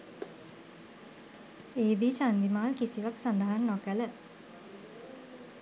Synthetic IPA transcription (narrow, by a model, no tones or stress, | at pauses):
eːb̪iːt͡ʃand̪imaːlkisiʋaksand̪aɦanːokələ